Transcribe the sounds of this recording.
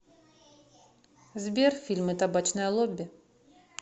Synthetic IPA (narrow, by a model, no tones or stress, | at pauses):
zʲbʲɛrfʲilʲmɨt̪abat͡ʃnɐjɐlˠɔbʲːɪ